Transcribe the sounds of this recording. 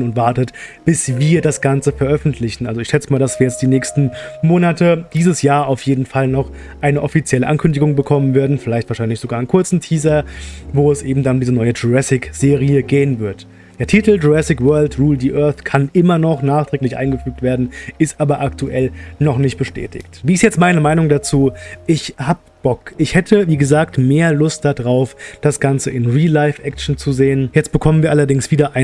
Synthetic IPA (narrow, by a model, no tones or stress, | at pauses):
nʊntv̥aɐtətb̥ɪsviːɐdasɡ̥ant͡səfɛɐʔœfn̩tʰlɪçn̩ʔalzoɪçʃɛt͡səmaːldasv̥iːɐjɛt͡std̥iːnɛːçstn̩moːnatʰəd̥iːzəsjaːɐaʊfjeːdn̩falnɔχ | ʔaɪnəʔɔfit͡sjɛləʔankʰʏndɪɡʊŋbəkʰɔmənvɪːɐdn̩fɪlaɪçtv̥aɐʃaɪnlɪçz̥oɡaːɐɪnkʰʊɐt͡sn̩tʰiːzɐvoːɛsʔeːbm̩danʊdiːzənɔʏəd͡ʒoʁɛsɪkz̥eːʁ̞iəɡeːənvɪɐt | d̥eːɐtʰiːtl̩doʁɛsɪkvœːɐltʁuːldiːʔœɐθkʰanʔɪmɐnɔχnaːχtʁ̥ɛːklɪçʔa̰ɪnɡəfyːk̚tv̥eːɐdn̩ɪstʔaːbɐʔaktʰuʔɛlnɔχnɪçt̚b̥əʃtʰɛ̰ːtʰɪ̰çtviːɪstjɛt͡stmaɪnəmaɪnʊŋdat͡suːʔɪçhaːbəb̥ɔkʔɪçhɛtʰəviːɡəzaːktmeːɐlʊst̚d̥adʁaʊfd̥asɡ̥ant͡səʔɪnʁiːlaɪfʔɛkʃn̩t͡suzeːənjɛt͡st̚b̥əkʰɔmənviːɐalɐdɪŋsv̥iːdɐʔaɪ